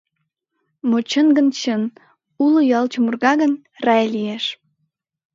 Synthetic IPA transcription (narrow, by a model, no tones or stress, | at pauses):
mot͡ɕənɡənt͡ɕən | ulə̆jɑlt͡ɕumurɣɑɣən | rɑjlieʃ